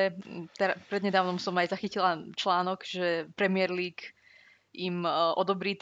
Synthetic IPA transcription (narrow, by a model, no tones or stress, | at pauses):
ɛt̪ɛɾapɾɛd̪ɲɛd̪aːʊnɔmsɔmajzaxicilat͡ʃlaːnɔɡʒɛpɾɛmɪɛɾliːk | imʔɔd̪ɔbɾiːt̪